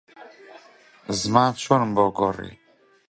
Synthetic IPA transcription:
zmãt͡ʃʰɔnbɔɡɔɾḭ

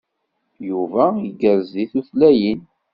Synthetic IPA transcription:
juvæiɡːəɾziθuθlæjən

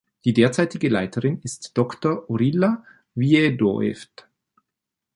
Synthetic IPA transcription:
d̥iːdeːɐt͡saɪtɪɡəlaɪtʰəʁɪnɪstd̥ɔktɐʔoʁila | viedo̰ɛ̰ft

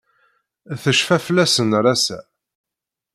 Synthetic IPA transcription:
θəʃfæflæsənɾˤæsæ̰

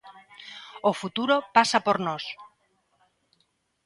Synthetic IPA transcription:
ofut̪uɾopasapoɾnos

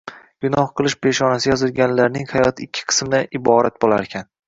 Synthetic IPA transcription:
ɡ̥ʊnɒhqɨlˠɪʃpʰe̞ʃɒnasɪjɒzɪlˠɡʲanlaɾnɪŋhajɒt̪ʰɪkʲʰːɪ̥qʰɨ̥smd̪aʔɪbɒɾat̪̚bolˠaɾekʲʰan

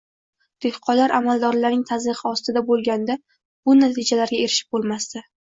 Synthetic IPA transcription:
d̪̥ehqʰɒlaɾʔa̰malˠd̪ɒɾlaɾnɪŋt̪ʰazɨʁɨɒst̪ɪd̪abolˠɡʲand̪a | b̥ʊnat̪ʰɪd͡ʒalaɾɡʲae̞ɾɪʃɪp̚bolˠmast̪ɪ

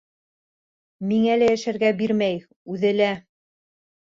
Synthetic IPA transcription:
miŋælæjæʃæɾɡæbiɾmæj | ʉðɘ̆læ

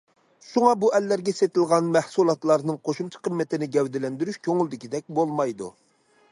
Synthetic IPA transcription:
ʃuŋɑbuɛlːæɾɡʲɛset̪ɪlˠʁɑnmɛhsulˠɑt̪lˠɑɾnɨŋqʰoʃumt͡ʃʰɑ̥qʰəmːɛt̪ʰɪnɪɡʲɛwd̪ɪlɛnd̪yɾyʃkʲʰøŋɪlˠd̪ɪkʲid̪ɛk̚ʲbolˠmɑjd̪ṵ

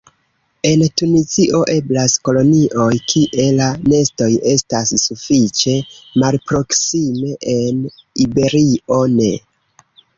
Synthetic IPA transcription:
e̞ntuniziʔo̞ʔe̞blasko̞lo̞niʔo̞jkʰiʔe̞lane̞sto̞je̞stasːufit͡ʃe̞malpɾo̞ksime̞ʔenibe̞ɾiʔo̞ne̞

